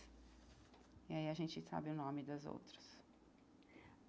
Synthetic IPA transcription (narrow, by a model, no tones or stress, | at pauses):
iaiɐʒẽt͡ʃɪsa̰bɪʊnõmɪd̪ɐzo̰wt̪ɾɐs